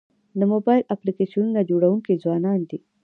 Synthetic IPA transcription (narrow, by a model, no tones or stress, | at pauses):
d̪əmobɑjlʔaplikeʃununad͡ʒoɽawuŋkizwɑnɑnd̪i